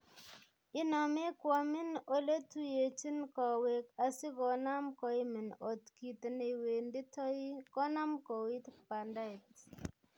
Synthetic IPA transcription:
ɪ˦nɔ˨me˦kwɔ˨mɪ˦no˦le˦tu˦je˨t͡ʃi˦nkɔ˨we˨ka˨sɪ˦kɔ˨na˦mkɔ˨i˦mɪ˨no˨tki˨t̪ne˨we˨ndi˦tʰɔ˦i˦kɔ˦na˦mkɔ˨wi˦t̪pa˨nda˦˨t

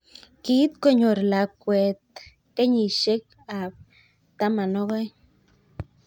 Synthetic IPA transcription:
ki˦t̪̚ko˦ɲo˨ɾla˨kwɛ˨t̪̚ | kɛ˦ɲi˨ʃe˦k | a˨p̚ | t̪a˦ma˨nɔ˦ɣɔ˦j

